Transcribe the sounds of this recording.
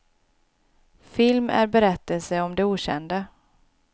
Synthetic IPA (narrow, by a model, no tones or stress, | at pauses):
fɪlmæ̰ɾbɛɾɛt̪ːəlsəɔmd̪ɛuːɕɛ̰nd̪ə